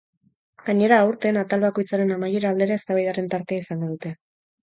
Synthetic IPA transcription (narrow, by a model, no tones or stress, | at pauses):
ɡ̥aɲe̞ɾaːuɾt̪e̞ːnat̪alβako̞jt͡saɾe̞namaje̞ɾaːld̪e̞ɾae̞st̪aβajðaɾe̞nt̪aɾt̪e̞aisaŋɡo̞ðut̪e̞